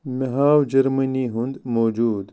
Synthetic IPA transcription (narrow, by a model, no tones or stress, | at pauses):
meɦaːwd͡ʒɐɾmɐniɦund̪moːd͡ʒuːd̪